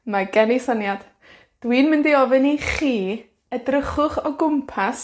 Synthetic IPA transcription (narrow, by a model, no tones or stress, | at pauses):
maɡɛnisanjad̥ | d̥winmɪndiɔvɨniχiː | ədrəχʊχɔɡʊmpʰas